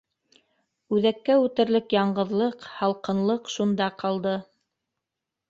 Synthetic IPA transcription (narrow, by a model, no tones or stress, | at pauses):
ʉðækːæʉt̪ɘ̆ɾlɘkjɑɴɢɤ̆ðlˠɤqhɑlˠqɤ̆nlˠɤqʃund̪ɑqɑlˠd̪ɤ